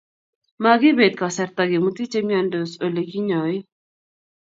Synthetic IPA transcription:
maɡi˦be˨t̪̚ka˨sɛɾt̪aɡe˨mut̪i˦t͡ʃemjando˨so˨le˨ki˦ɲɔ˨j

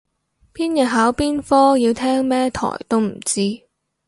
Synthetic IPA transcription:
pʰiː˥njɐ˨t̚ɦaː˨˥wpiː˥nfɔː˥jiː˧wt̪ʰɛː˥ŋmɛː˥t̪ʰɔ̰ː˨˩jt̪o˥wm̩˨˩t͡siː˥

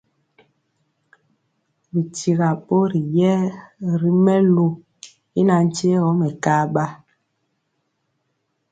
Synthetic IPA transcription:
bi˨ti˨ɣa˨ɓo˦ɾi˨jɛ˦ɾi˦mɛ˦lu˨ | i˦na˨n̩˦t͡ʃe˦ɣɔ˨˦mɛ˨ka˦ɓa˦

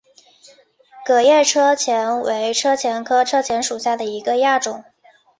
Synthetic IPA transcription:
kɤ˨˩jɛ˥˩ʈ͡ʂʰɤ˥t͡ɕʰjɛ˧˥nwe˧˥ɪʈ͡ʂʰɤ˥t͡ɕʰjɛ˧˥nkʰɤ˥ʈ͡ʂʰɤ˥t͡ɕʰjɛ˧˥nʂu˨˩ɕja˥˩d̪ə˩i˧˥ɡə˧ja˥˩ʈ͡ʂʊ˨˩˦ŋ

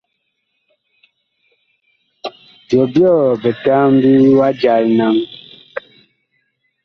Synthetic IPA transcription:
bjɔ˨bjɔ˦˨bɛ˨ta˦m˦bi˦wa˦d͡ʒa˨lna˦ŋ

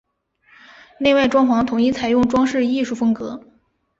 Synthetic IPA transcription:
ne˥˧ɪwa˥˩ɪʈ͡ʂwɑ˥ŋfɑ˧˥ŋt̪ʰʊ˨˩ŋi˥˩t͡sʰa˨˩ɪjʊ˥˩ŋʈ͡ʂwɑ˥ŋʂɻ̩˥˧i˥˧ʂu˥˩fɤ˥ŋkɤ˧˥

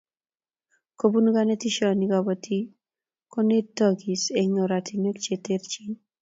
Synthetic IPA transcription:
ko˨bu˦n˦ɡa˦ne˦ti˦ʃɔ˦ni˦ɡɔ˨bɔti˦ | ko˦ne˦tɔ˦ɡi˨se˨ŋo˨ɾa˨ti˨ne˦kt͡ʃe˨te˦ɾt͡ʃi˦n

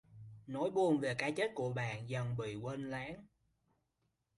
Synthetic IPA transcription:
no˨˦jɓu˨˧˩ənve˨˩kaː˨˦t͡ɕe˦˥t̚ku˧˩əɓa̰ː˧˨nzə˨˩nɓḭ˧˨kwe˧nlaː˨˦n

